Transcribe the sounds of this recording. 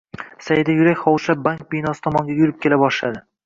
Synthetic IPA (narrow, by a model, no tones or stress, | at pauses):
sajɪd̪ajʊɾakʲχɒwʃlap̚baŋk̚bijnɒsɪ̥t̪ʰɒmɒŋɡʲajʊɾɪp̚kʲʰe̞labɒʃla̰d̪ɪ